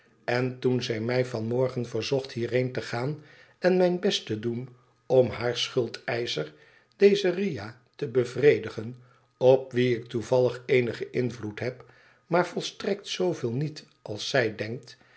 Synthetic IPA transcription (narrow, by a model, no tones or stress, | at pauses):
ɛntunzɛjmɛjvɑnmɔɹχənvəɹzɔχthɦiːrɦejntəχaːn | ɛnmɛjnbɛstədun | ɔmɦaːɹsχɵlˠtɛjsər | d̥ejzərija | təbəvrejdəχən | ɔp̚ʋiɪk̚tuvɑləχeːnəχəʔɪnvlutɦɛp | maːɹv̥ɔlˠstrɛk̚tsowvɪːlˠnit | ʔɑlˠsɛjdɛŋk̚t